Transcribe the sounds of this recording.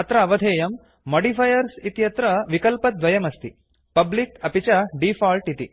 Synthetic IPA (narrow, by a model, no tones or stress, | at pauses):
ɐt̪ɾɐːʋɐd̪ʱeːjɐmː | oːɖipʰɐjɐɾsit̪jɐt̪ɾɐʋikɐlpɐd̪ʋɐjɐmɐst̪i | pɐblikɐpit͡ʃɐɖifʰaːlʈit̪i